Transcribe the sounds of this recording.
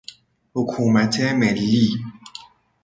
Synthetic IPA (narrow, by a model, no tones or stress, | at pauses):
ukʰumat͡sɛmɛli